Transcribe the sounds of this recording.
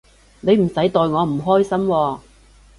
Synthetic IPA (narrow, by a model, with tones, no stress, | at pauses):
ne˨˧jm̩˨˩sɐ˨˥jt̪ɔː˨˧jŋɔː˨˧m̩˨˩ɦɔː˥jsɐ˥mwɔː˧